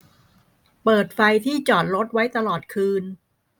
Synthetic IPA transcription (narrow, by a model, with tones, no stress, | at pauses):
pɤː˨˩t̪̚fa˧jt̪ʰiː˥˩t͡ɕɔː˨˩t̪̚ɾo˦˥t̪̚wa˦˥jt̪a˧lɔː˨˩t̪̚kʰɯː˧n